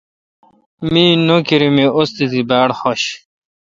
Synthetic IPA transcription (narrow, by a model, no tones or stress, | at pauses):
miːnokiɾimeʔost̪it̪ibaːɽxoɕ